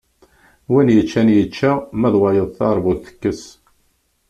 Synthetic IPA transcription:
winjət͡ʃːænjət͡ʃːæmæðwɑjəðˤθɑɾˤbuðθə̥kːəs

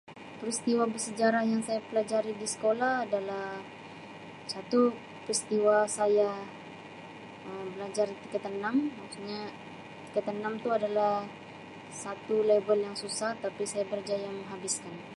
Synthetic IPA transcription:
pɾist̪iwabərsəd͡ʒaɾahjaŋsajapəlad͡ʒaɾidisə̥kolahːdalah | sat̪u | pɾist̪iwasaja | əmbəlad͡ʒart̪ikət̪ənamausɲa | t̪i̥kət̪ənamt̪uadalah | sat̪ulebəljaŋsusaht̪apisajabəɾd͡ʒajaŋməŋɦabiskan

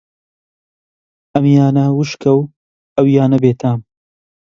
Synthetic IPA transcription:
ɐmjaːnɐwuʃkʰɐw | ɐwjaːnɐbeːt̪ʰaːm

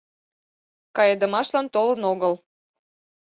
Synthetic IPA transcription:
kɑjɤd̪ə̆mɑʃlɑnt̪olənoɣəl

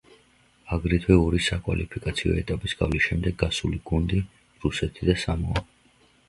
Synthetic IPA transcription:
aɡɾit̪ʰwɛɔɾisakʼwa̰lʔipʰikʼat̪sʰiɔ̰ɛt̪ʼapʼisɡ̥avlisʃɛmd̪ɛɡːasuliɡund̪i | ɾusɛt̪ʰid̪asamɔa

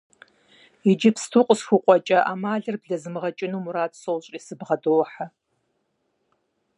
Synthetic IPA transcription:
id͡ʒɪpʰstʰuːqʷʼəsxʷuqʷʼɔt͡ʃʼɐʔa̰ːmaːɮɨrbɮɐzɨmɨʁɐt͡ʃʼɪnuːmuɾaːtsowɕʼiːsɨbʁɐdowħa

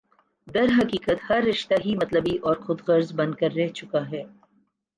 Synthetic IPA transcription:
d̪ɐɾɦɐkiːkət̪hɐɾːɪʃt̪aɦimɐt̪ləbiʔɔːɾxʊd̪ɣɐɾzbɐ̃nd̪̚kɐɾːɛɦt͡ʃʊkaɦɛː

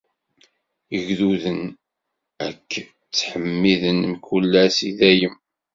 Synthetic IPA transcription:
əʝðuðən | ækː | t͡sːħəmːiðənmkulːæsiðæjəm

